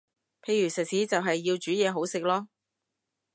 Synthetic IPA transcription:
pʰe˧jɥyː˨˩sɐ˨k̚siː˨˥t͡sɐ˨wɦɐ˨jːiː˧wt͡ʃyː˨˥jɛː˨˧ɦo˨˥wsɪ˨k̚lɔː˥

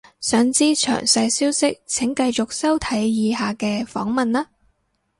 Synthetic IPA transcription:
sœː˨˧ŋt͡siː˥t͡ʃʰœ̰ː˨˩ŋsɐ˧jsiː˥wsɪ˥k̚t͡sʰɪ˨˥ŋkɐ˧jt͡sʊ˨k̚sɐ˥wt̪ʰɐ˨˥jjiː˨˧haː˨kɛː˧fɔ̰ː˨˥ŋmɐ˨nlaː˥

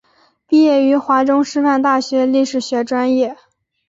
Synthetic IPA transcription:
pi˥˧jɛ˥˩y˧˥xwa˧˥ʈ͡ʂʊ˥ŋʂɻ̩˥˧fa˥˧nt̪a˥˩ɕɥɛ˧˥li˥˩ʂɻ̩˨˩ɕɥɛ˧˥ʈ͡ʂwa˥njɛ˥˩

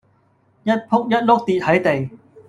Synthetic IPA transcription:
jɐ˦˥t̚pʰʊ˥k̚jɐ˥t̚lʊ˥k̚t̪iː˨t̚hɐ˨˥jt̪e˨j

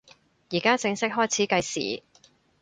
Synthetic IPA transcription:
jiː˨˩kaː˥t͡sɪ˧ŋsɪ˥k̚ɦɔː˥jt͡sʰiː˨˥kɐ˧jsḭː˨˩

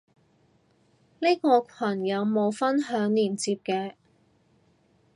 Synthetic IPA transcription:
ne˥kɔː˧kʷʰɐ˨˩njɐ˨˧wmo˨˧wfɐ˥nɦœː˨˥ŋliː˨˩nt͡siː˧p̚kɛː˧

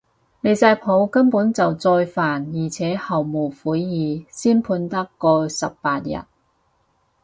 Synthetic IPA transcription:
le˨˧jt͡sɐː˧jpʰo˨˧˥wkɐ˥mpuː˨˥nt͡sɐ˨wt͡sɔː˧jfaː˨˩njiː˨˩t͡sʰɛː˨˥hɐ˨wmo˨˩wfuː˨˥jjiː˨˧siː˥npʰuː˧nt̪ɐ˥kːɔː˧sɐ˨pːpaː˧t̚jɐ̰˨˩t̚

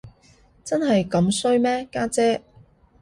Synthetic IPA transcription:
t͡sɐ˥nɦɐ˨jkɐ˨˥msɵ˥ɥmɛː˥kaː˥t͡sɛː˥

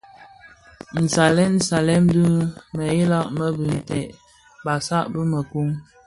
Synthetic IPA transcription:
n̩˨sa˨lɛ˦n̩˦sa˨lɛ˦m˦dʉ˦mə˨ji˦la˦ʔmə˦bʉ˨n˨tɛ˨ʔ | ba˨sa˦ʔbə˦mə˨ku˦ŋ

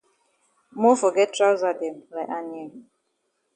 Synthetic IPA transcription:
mɔ˦fɔ˨ɡɛ˦tʰɹa˦wza˨dɛ̃˨mla˨ʔa˨niɛ˨l

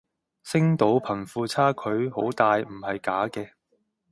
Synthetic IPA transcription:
sɪ˥ŋt̪o˨˥wpʰɐ˨˩nfuː˧t͡sʰaː˥kʰɵ˨˧ɥho˨˥wt̪aː˨jm̩˨˩hɐ˨jkaː˨˥kɛː˧

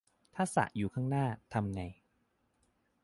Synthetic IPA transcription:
t̪ʰaː˥˩sa̰˨˩ʔjuː˨˩kʰaː˥˩ŋnaː˥˩t̪ʰa˧mŋa˧j

